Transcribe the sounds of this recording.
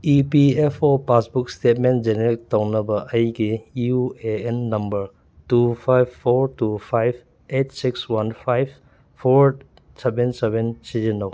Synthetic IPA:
ipiepʰopasbuk̚stetmend͡ʒeneɾik̚tawnɐbɐʔɐjɡiueenːɐmbɐɾ | tupʰajbpʰːɔɾtupʰajb | et̚sikswanpʰajbʰ | oɾ | sebensebensizinaw

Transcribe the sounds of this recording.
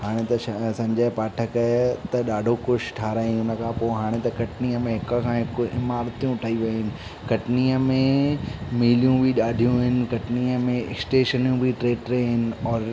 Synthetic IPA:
haːɽ̃et̪ɐsɐ̃ɲd͡ʑəɪpaːʈʰəkt̪ɐɗaːɖʱokʊʃʈʰaːɾaːĩʊnə̆kʰãːpoɦaːɽ̃et̪ɐkɐʈniːəmẽɦɪkkʰãɦɪkɪmaːɾt̪ijũʈʰaːiʋɐɦɪnɪ̆ | kɐʈniːəmẽmiːlijũbʱiɗaːɖʱijũɦɪnɪ̆kɐʈniːəmẽɪ̰ksʈeːʃənijũbʱiʈɾeːʈɾeɦɪnɪ̆ɔːɾ

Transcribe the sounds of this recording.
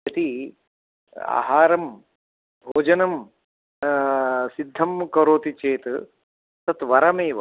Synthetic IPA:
ɐt̪i | a̰ːɦaːɾɐm | bʱoːd͡ʒɐnɐm | sid̪ʱːɐmkɐɾoːt̪it͡ʃeːt̪ | t̪ɐt̪ʋɐɾɐmeːʋ

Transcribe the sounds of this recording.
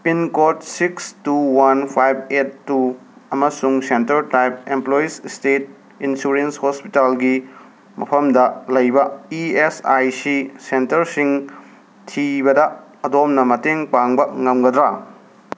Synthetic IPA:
pinkot̚sikstuwanpʰajb̚et̚ːuɐmɐsuŋsentɐɾtajp̚emploisstet̚ | insuɾenshospitalɡi | mɐ̰pʰɐmdɐlɐjbɐiesajsisentɐɾsiŋ | tʰibɐdɐːdomnɐmɐteŋpaŋbɐŋɐmɡɐd̪ɾa

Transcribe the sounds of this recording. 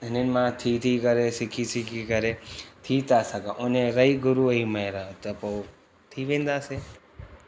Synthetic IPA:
nenmãt̪ʰit̪ʰikəɾesikʰisikʰikəɾet̪ʰiːt̪asaɡaʔoneɾəjɡuɾuəiməjɾat̪əpow | t̪ʰiʋẽnd̪ase

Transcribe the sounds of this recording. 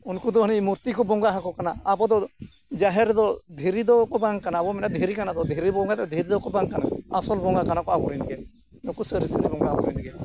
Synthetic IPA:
unkud̪ɔɦənimuɾt̪ikɔbɔŋɡaɦakɔkanaːbɔd̪ɔ | d͡ʒaɦɛɾd̪ɔd̪ʱeɾid̪ɔkɔbaŋkanaːbɔmɛnad̪ʱeɾikanad̪ɔd̪ʱiɾibɔ̃ŋɡat̪ɛd̪ʱeɾid̪ɔkɔbaŋkana̰asɔlbɔŋɡakanakɔabɔɾinɡɛ | nɔkusəɾist̪ʰid̪ibɔŋɡabɔ̰ɾḭnɡɛ

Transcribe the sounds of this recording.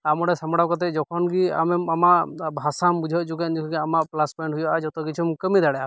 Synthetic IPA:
amɔɾɛsamɔɽakɔt̪̬ɛd͡ʒɔkʰɔnɡia̰mɛmamaʔbʱasambud͡ʒʱɔd͡ʒukand͡ʒukʰɡiamaʔplaspɔjɳʈɦujɔʔad͡ʒɔt̪ɔkit͡ʃʰumkəmid̪aɽɛa

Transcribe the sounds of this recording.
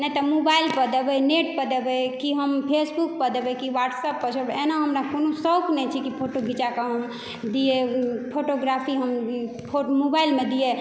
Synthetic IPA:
nɛt̪əmobailpəd̪ebɛjneʈpəd̪ebɛjkiɦəmpʰesbuk̚pəd̪ebɛkiʋaʈsəpːət͡ʃʰəɾbenaɦəmɾakonosəwknɛt͡ʃʰikipʰoʈoɡʱit͡ʃakəɦəm | d̪ijepʰoʈoɡɾapʰiɦəm | pʰomobailmed̪ije

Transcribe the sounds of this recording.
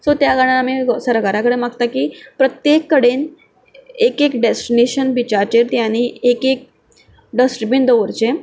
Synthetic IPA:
sot̪jaɡəɽ̃aːmiɡsəɾkaɾakəɽemaɡt̪akiːpɾət̪jekːəɽen | ekekɖesʈineɕənbit͡ɕaɾt͡ɕeɾt̪jañiekek̚ | ɖəsʈɾibind̪əʋəɾt͡ɕe

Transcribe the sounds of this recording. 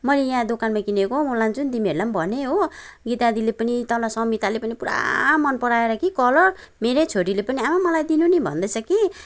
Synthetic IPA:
mʌjlejãd̪okanmakinekomuland͡zunt̪imiʌɾulambʱʌneɦoɡit̪ad̪ilepʌnit̪ʌlʌsʌmit̪alepʌnipuɾa̰mʌnpʌɾaeɾʌkikʌlʌr | meɾet͡sʰoɾilepʌniamamʌlajd̪inunibʱʌ̰nd̪ʌjt͡sʰʌki

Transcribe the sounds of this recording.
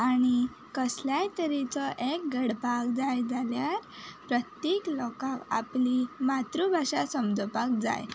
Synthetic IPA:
aɽ̃i | kəsljajt̪əɾit͡sɔʔek̚ɡəɽpakd͡zajd͡zaljaɾpɾət̪jeklɔkaʋa̰plimat̪ɾubʱaʂasəmd͡zɔpak̚d͡za̰j

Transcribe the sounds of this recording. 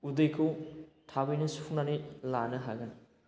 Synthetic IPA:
udɯjkʰuwtʰabɯjnɐsuuk̚nanilanɯɦaɡɐn

